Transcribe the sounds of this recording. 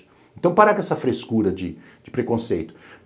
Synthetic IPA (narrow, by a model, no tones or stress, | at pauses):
ẽnt̪ɐ̃w̃paɾakɛsɐfɾeskuɾɐd͡ʒɪ | d͡ʒɪpɾekõsejt̪ʊ̥